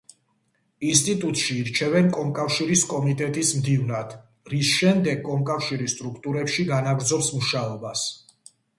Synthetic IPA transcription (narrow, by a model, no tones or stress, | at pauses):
ins̬t̪ʼit̪ʼut̪ʼʃiːɾt͡ʃʰɛvɛnkʼɔmkʼafʃiɾiskʼɔmit̪ʼɛt̪ʼismd̪ivnad̪̥ | ɾisʃɛmd̪ɛɡ̚kʼɔmkʼafʃiɾist̪ʼɾukʰt̪ʼuɾɛpʃiɡanaɡɾd̪zɔpsmuʃaɔbas